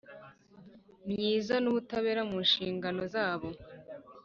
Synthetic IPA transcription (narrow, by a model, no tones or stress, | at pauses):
mɲiːzanuβutaβe̞ːɾamunʃiːŋɡano̞zaːβo̞